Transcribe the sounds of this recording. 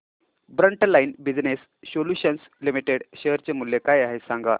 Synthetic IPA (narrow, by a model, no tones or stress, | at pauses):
bɾəɳʈlainbid͡znes | soljuɕəns | limiʈeɽɕeɦɾt͡semulːjekajaɦesãŋɡa̰